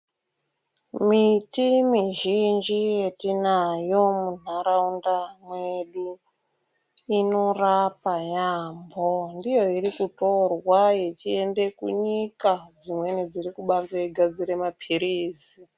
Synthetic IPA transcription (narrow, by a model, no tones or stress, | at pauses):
mitimiʒind͡ʒijetinajo̞mun̤aɾaundamweɗu | ino̞rapajaːmbo̞ndijo̞iɾikuto̞rwaje̞t͡ʃie̞nde̞kṵɲikad͡zimwe̞nid͡ziɾikuɓand͡zaiɡʱad͡ziɾe̞mapʰiɾiːzi